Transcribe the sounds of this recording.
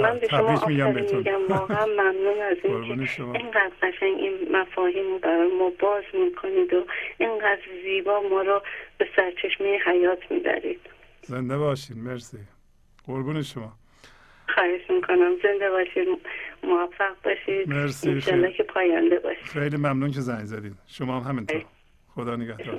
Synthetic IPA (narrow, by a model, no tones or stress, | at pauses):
mænbeʃomɒʔɒmifɾimiːɟæmvɒːɣeæmːæmnuːnæziːŋkʰeneɴɢæːd̪ɡæʃæɲɟinmæfɒːɦiːmobæɾɒːjemɒːbɒːzmiːkʰoniːd̪oʔeɴɡæd̪ɾziːbɒːmɒːɾɔb̥e̞sæɾt͡ʃʰe̞ʃmejeɦæjɒːt̪ʰmiːbæ̰ɾḭːd̪̥ | zend̪ebɒːʃid̪̥meɾsi | ɢoɾbuːneʃomɒː | xɒːhed͡ʒmiːkʰonæmze̞nd̪ebɒːʃid̪moæfːæɣ̚bɒːʃid̪̥meɾsĩnʃɒlːɒːkʰepʰɒːjænd̪ebɒ̰ːʃi̥xejliːmæmnuːnkʰezæɲzæd̪iːd̪̥ʃomɒːhæmhæmintoɾ | xod̪ɒːneɡæhd̪ː